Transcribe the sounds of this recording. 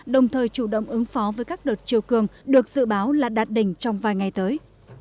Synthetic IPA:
ɗə˨˩wŋ͡mt̪ʰəː˨˩jt͡ɕu˧˩ɗə̰˧˨wŋ͡mʔɨ˨˦ŋfɔ˨˦vəː˨˦jkaː˦˥k̚ɗo˨˩t̚t͡ɕi˨əwkɨ˨˩əŋɗɨ˨˩ək̚z̥ɨ̰˧˨ɓaː˨˦wlaː˨˩t̚ɗaː˨˩t̚ɗï˧˩ŋ̟t͡ɕɔ˧wŋ͡mvaː˨˩jŋa˨˩jt̪əː˨˦j

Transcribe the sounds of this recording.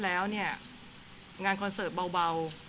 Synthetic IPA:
lɛː˦˥wni˥˩ɐ | ŋaː˧nkʰɔ˧nsɤː˨˩ba˧wba˧w

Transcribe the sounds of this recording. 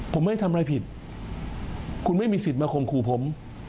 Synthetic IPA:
pʰo˩˦mːa˥˩jt̪ʰa˧mɾaː˧jpʰi˨˩t̪̚ | kʰu˧nma˥˩jmiː˧si˨˩t̪̚maː˧kʰo˧mkʰuː˧pʰo˩˦m

